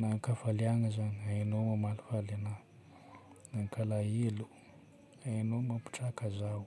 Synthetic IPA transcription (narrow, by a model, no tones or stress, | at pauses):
naŋkafaliaŋəzaniaenowmamalufalana | naŋkalaelu̥ | anowmapi̥ʈ͡ʂakazaw